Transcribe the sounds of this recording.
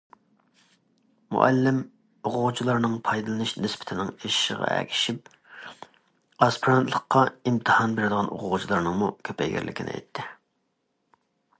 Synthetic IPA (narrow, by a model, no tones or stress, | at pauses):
mṵʔæ̰lːɪm | oqʊʁut͡ʃʰilˠɑɾnɨŋpʰɑjd̪ɨlˠɨnɨʃnɪspʰɪ̥t̪ʰɪnɪŋeʃʃəʁɑ̰æ̰kʲʰi̥ʃip̚ | ɑspʰiɾɑnt̪ʰlˠəqʰːɑimt̪ʰɨhɑnbeɾɪd̪əʁɑno̰qʊʁut͡ʃʰilˠɑɾnɨŋmukʲʰøpʰɛ̰jɡʲæ̰ɾlʔɪ̰kʲʰinʔɪ̰ɛ̰jt̪ʰːɪ